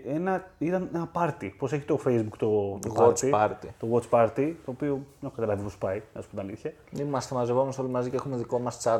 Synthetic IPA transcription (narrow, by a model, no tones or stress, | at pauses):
enɐit̪ɐnɐpɐɾt̪ipo̞se̞çi̥t̪ofejzbukt̪ot̪oɣpɐɾipɐɾt̪it̪oɣot͡spɐɾt̪it̪o̞ːpio̞noxkɐt̪ɐlɐviposu̥pɐinɐsu̥pot̪inɐliθçɐ | imɐst̪emɐzevomɐsolimɐziceexumeðiko̞mɐst͡sɐ